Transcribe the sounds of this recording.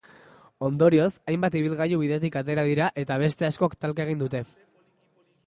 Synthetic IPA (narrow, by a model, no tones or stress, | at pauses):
o̞nd̪o̞ɾio̞sajmbat̪iβ̞ilɣajuβ̞iðe̞t̪ikat̪e̞ɾað̞iɾaʔe̞t̪aβ̞e̞st̪e̞asko̞akt̪alkae̞ɣ̞ind̪ut̪e̞